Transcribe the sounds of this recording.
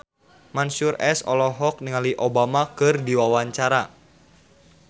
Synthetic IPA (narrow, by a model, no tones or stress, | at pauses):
mansurɛsɔ̰lɔɦɔk̚niŋaliʔobamakɨrdiwawaɲt͡ʃaɾa